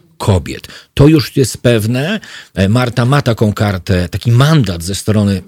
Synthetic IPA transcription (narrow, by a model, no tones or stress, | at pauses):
kʰɔbʲjɛ̰t̪ːɔjuʂjɛst̪pɛvnɛmaɾt̪amat̪akɔ̃w̃kaɾt̪ɛt̪akʲimand̪ad̪zɛst̪ɾɔnɘ